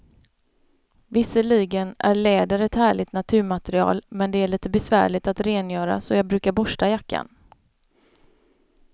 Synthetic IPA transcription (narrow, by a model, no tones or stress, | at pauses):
vɪsəɭiːɡənʔæ̰ɾɭeːd̪əɾɛt̪hæːɭɪt̪nat̪ʰʉ̟ːɾmat̪ɛɾɪɑ̰ːlmɛnd̪ɛæɭiːt̪əbɛsvæ̰ːɭɪt̪at̪ɾeːnjœːɾa̰sɔjɑːɡbɾʉ̟ːkaɾbɔʂʈajakːa̰n